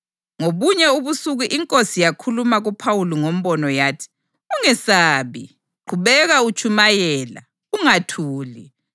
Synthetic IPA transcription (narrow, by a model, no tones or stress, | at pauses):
ŋoβuɲɛuβusuɣuʔiŋkʼosijakʰulumaɣupʰawuliŋom̩βɔnɔjaːtʰi̥ | uŋɛsaːβi | ǃʰuβɛɣaut͡ʃʰʼumajɛːla̰ | uŋatʰuːli